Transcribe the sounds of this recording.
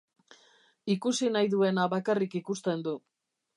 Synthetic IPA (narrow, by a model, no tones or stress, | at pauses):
ikusinajðue̞naβakarikikust̪e̞nd̪u